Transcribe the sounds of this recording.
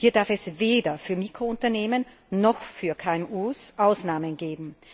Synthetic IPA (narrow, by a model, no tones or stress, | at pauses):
hiːɐdaɐfɛsveːdɐfyːɐmiːkʁ̥oʊntɐneːmənː | ɔxfyːɐkʰaːɛmʔuːsʔaʊsnaːmənɡeːbm̩